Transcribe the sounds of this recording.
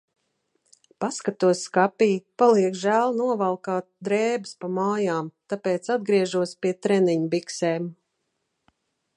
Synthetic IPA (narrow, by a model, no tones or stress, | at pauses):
paskat̪uɔsʲkapiːpalˠiɛkʒæːlˠnuɔvalˠkaːt̪̚d̪ɾɛːbɨspamaːjaːmt̪apeːt̪sad̪̚ɡɾiɛʒuɔspiɛt̪ɾɛniɲbiksɛːm